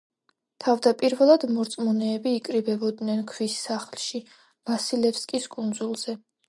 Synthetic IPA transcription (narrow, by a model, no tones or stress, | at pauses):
t̪ʰavd̪apʼiɾvɛlˠad̪mɔɾt̪sʼmɔnɛːbiːkʼɾibɛbɔd̪nɛnkʰvisːaχlˠʃi | m̥asilɛpskʼiskʼund̪zulˠz̥ɛ